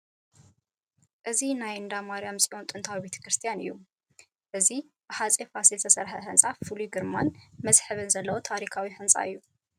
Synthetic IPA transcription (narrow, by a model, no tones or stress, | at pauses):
ʔɨzinajɨnd̪amaɾijamsʼiʔont̪ʼɨnt̪ʰawibe̞t̪ʰɐ̥kɾɨst̪ʰijanɨ̰jːu | ʔɨzib̥ɨħat͡sʼifasilt̪ʰɐsɐɾħɐħɨnsʼafɨlujɡɨɾmanmɐsħɨβɨnzɐlːɐwot̪ʰaɾikʰawiħɨnsʼa̰ɨjːu